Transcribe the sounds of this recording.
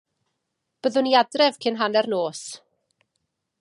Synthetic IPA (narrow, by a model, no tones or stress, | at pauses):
b̥əðʊniadrɛv̥kʰɪnɦanɛrnoːs